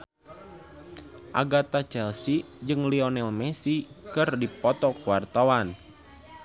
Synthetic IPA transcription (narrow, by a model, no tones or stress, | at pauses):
ʔa̰ɡat̪at͡ʃɛlsi | d͡ʒɨŋliɔnɛlmɛsikɨrdipɔt̪ɔkuwart̪awan